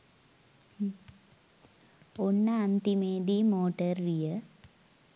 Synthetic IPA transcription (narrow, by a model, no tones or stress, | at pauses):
onːəant̪imeːd̪imoːʈəɾːijə